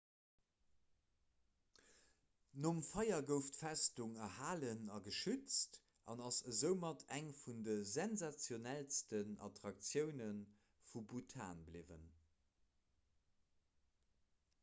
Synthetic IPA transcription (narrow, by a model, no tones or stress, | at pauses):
nomfɑɪɐɡəʊftfæstuŋəhaːlənɑɡəʃyt͡st | ʔɑ̰nɑsəzəʊmɑtʰæŋfundəzɛnzat͡sjonælstənɑ̰tʁɑk̚t͡sjəʊnən | fubutʰa̰ːnblivə̰n